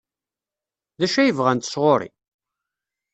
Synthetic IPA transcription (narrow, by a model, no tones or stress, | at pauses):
ðæʃæjəvʁænt̪ə̥sʁoɾˤḭ